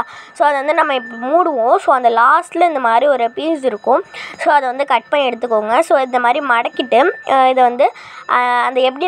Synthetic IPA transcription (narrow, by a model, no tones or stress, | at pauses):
soːɐðɐʋɐnd̪ɯnɐmːɐɪpːmuːɽɯʋõsoːɐnd̪ɐlaːsʈlɐɪnd̪ɐmaːd̪ɾiɔɾɯpiːsɪɾɯkːʊ̃soːɐðɐʋɐnd̪ɯkɐʈ̚pɐnɛɽɯt̪̬ːɯkːoːŋɡɐsoːɪnd̪ɐmaːd̪ɾimɐɽɐkːɪʈːɯɪðɐʋɐnd̪ɯɐɐnd̪ɐɛp̬ːɐɽi